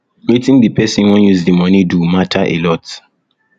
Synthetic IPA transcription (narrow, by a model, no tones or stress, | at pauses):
mitĩŋdipɛsĩnwɛ̃njuzdimʌnidumatʰaʔḛlɔt